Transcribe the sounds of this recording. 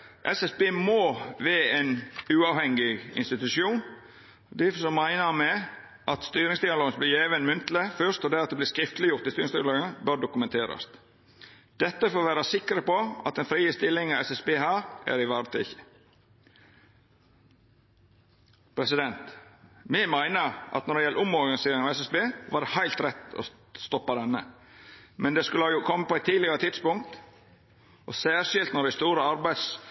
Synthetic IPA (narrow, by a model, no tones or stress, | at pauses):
ʔɛsɛsbeːmoːʋeːeɪnʉːɑːʋhɛŋɪɪ̰nst̪ɪt̪ʉʃjuːn | d̪ɪsɔmæɪnəɾmɛ | ʔɑt̪st̪yːɾɪŋsd̪ɪɑloːɡənblɪjæːʋənmʉnt̪ləfœst̪ɔd̪ɛːɾɑt̪̚d̪ɛblɪːskɾɪft̪lɪjʊɾt̪ɪst̪yːɾɪŋsd̪ɪːɑloːɡəbøɖʊkʉmɛnt̪ʰeːɾɑ̰st̪ | d̪̥ɛt̪ːəfoːʋæːɾɑsɪkɾəpɔɑ̰t̪ɛnfɾiːəst̪ɪlːɪŋɑʋɛsɛsbeːɦæːɾʔæ̰ɾɪʋɑːɾt̪ʰy̰ːɪçə̥ | pʰɾɛsɪd̪ɛnt̪mɛmæɪnəɾʔɑ̰t̪nɔɾɖɛjɛləʔʊmɔɾɡɑnɪseːɾɪŋɑʋɛsɛsbeːʋɑːɖɛhaɪlt̪ɾɛt̪ːɔ̰ | st̪ɔpːɑd̪ɛnːə | mɛnd̪ɛskʉlːəɑjʊkʰɔmːəpʰɔæɪt̪ʰːiːdlɪɡəɾət̪ʰɪd̪spʊŋk̚t̪ | ʔɔsæːɾʂɪlt̪nɔɖæɪst̪uːɾəɑɾbæɪd̪s